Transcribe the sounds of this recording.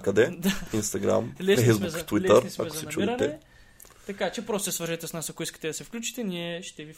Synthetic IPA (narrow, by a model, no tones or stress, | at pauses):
kɐd̪ɛd̪ainst̪ɐɡɾa̰mlɛsfɛjzbɛzt̪wilɛəɾisma̰mɛkozɐ̥sɛnt͡ʃuiɾɐnɛɛ | t̪ɐkat͡ʃɛpɾost̪ɛsvəɾʒɛt̪ɛsnasɐkoiskə̥t̪ɛd̪ɐsɛfklʲut͡ʃi̥t̪ɛniɛʃt̪ɛvi